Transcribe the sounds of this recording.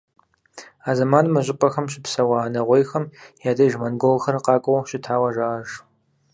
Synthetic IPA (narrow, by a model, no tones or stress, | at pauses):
aːzɐmaːnmɐʑʼɪpʼɐxɐmɕɪpsɐwaːnɐʁʷejxɐmjaːdɐjʒmɐnɡolxɐrqɑːkʷʼɐwʃɪtʰaːwɐʒaʔɐʒ